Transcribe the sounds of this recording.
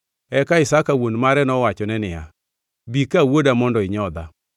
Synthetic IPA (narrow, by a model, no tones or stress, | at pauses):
ɛkaɪsakawonmaɾɛnɔwat͡ʃɔnɛnɪja̰ | bikawodamɔndɔɪɲɔd̪a̰